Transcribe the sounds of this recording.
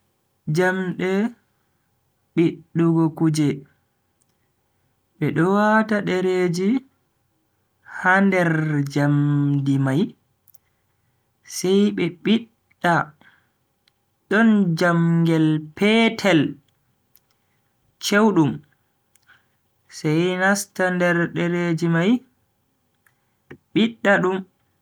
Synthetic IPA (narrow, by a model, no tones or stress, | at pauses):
d͡ʒamɗɛ | ɓiɗːuɡɔkud͡ʒɛ | ɓɛɗɔwataɗɛɾed͡ʒi | handɛɾd͡ʒamdimaj | sɛjɓɛɓiɗː | a | ɗɔnd͡ʒamɡɛlpʰɛtʰɛl | t͡ʃewɗum | sɛjnastandɛɾɗɛɾed͡ʒimaj | ɓiɗːaɗum